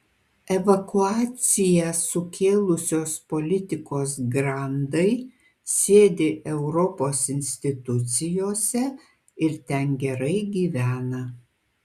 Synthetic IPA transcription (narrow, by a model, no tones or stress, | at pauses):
ɛʋɐkʊɑːt̪sʲɪjɛsʊkʲʰeːlˠʊsʲoːspɔlʲɪt̪ʲɪkoːsɡɾɑˑnd̪ɐɪ | sʲeːd̪ʲeːʔɛʊɾɔpoːsɪnʲsʲt̪ʲɪt̪ʊt̪sʲɪjoːsʲɛ | ɪɾt̪ʲɛnɡʲɛɾɐɪɡʲiːʋʲæːnɐ